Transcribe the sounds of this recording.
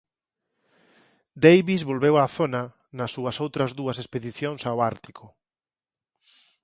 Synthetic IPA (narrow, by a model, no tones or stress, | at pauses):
d̪ejβizβolβewaθonɐ | nɐsːuɐsowt̪ɾɐzðuɐsespeðiθjoŋsaoaɾt̪ikʰʊ